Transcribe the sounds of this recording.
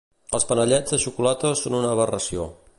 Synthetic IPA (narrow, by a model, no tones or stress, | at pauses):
əlˠspənəʎɛd͡zðəʃukulat̪əsonunəβ̞ərəsio